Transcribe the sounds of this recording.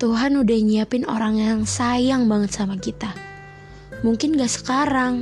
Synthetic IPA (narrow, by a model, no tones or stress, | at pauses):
t̪uɦanudahɲiapɪno̰ɾaŋjaŋsajaŋbaŋət̪̚samakit̪a | muŋkɪnŋɡaʔsə̥kaɾaŋ